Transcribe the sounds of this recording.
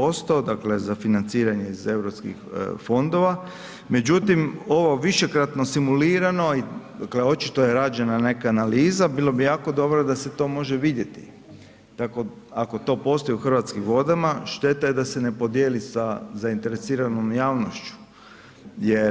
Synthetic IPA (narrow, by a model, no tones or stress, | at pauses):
o̞st̪od̪akle̞zafinant̪siːɾaɲe̞ize̞wɾopskḭxfo̞nd̪o̞ʋa | me̞d͡ʑut̪imo̞ʋo̞ʋiʃe̞kɾat̪no̞simuliːɾano̞id̪akle̞o̞t͡ʃit̪ojeɾad͡ʒenane̞kaːnaliːzabilˠobijaːko̞d̪o̞bɾod̪ase̞t̪o̞ːmo̞ʒeʋid̪je̞t̪ḭ | t̪ako̞ | ako̞t̪o̞ːpo̞st̪ojuxrʋat̪skimʋo̞d̪amaʃt̪e̞t̪ajed̪ase̞ne̞po̞d̪jelisazaint̪e̞ɾe̞siːɾano̞mjaːʋnoʃt͡ʃu̥ | je